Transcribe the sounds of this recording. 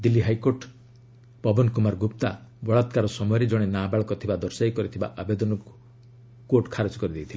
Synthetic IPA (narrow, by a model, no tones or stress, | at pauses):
d̪ilːiɦajkoɾʈ | pɔbɔnkumaɾɡupt̪abɔɭat̪kaɾɔsɔmɔjɔɾed͡ʒɔɽ̃enabaɭɔkɔt̪ʰibad̪ɔɾsajkɔɾit̪ʰiba̰ʔabed̪ɔnɔku | koʈkʰaɾet͡ʃɔkɔɾid̪ejt̪ʰile